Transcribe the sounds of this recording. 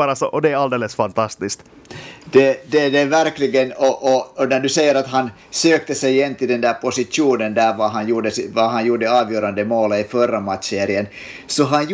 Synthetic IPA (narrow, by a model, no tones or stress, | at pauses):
ɑːɾɑsoʔɔd̪ɛæɾɑld̪eːlːəsfɑnt̪ʰɑst̪ɪst̪ | d̪̥ɛd̪ɛdevæɾklɪɡənɔʔːnæɖʉsɛjːəɾɑt̪ɦɑn | søːk̚t̪əsɛjjɛnt̪ɪd̪ɛnd̪æːɾpʰɔsɪtuːnənd̪æːɾʋɑɦɑnjuːɖəsɪʋɑɦɑnjuːɖəɑːʋjøːɾɑnd̪əmoːləifœɾːɑmɑt̪seːɾɪən | sɔɦɑn